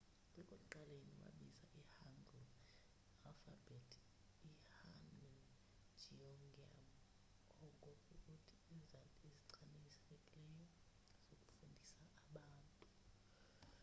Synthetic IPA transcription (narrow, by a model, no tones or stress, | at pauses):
wɛkʼoǃaleniwa̰ɓiza̰ʔihanɡʱu | rafa̰bɛtʰ | ihanɛ | d͡ʒʱiɔŋɡa̰m | ɔŋkʼokʼukʼutʰi̥ːzaiziǀʰanisɛekʼlɛjɔ | z̥okʼu̥fundʱisaʔːɓaːntʼu